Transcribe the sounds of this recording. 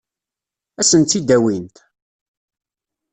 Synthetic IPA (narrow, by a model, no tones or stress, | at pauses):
æsənt̪ːid̪æwint̪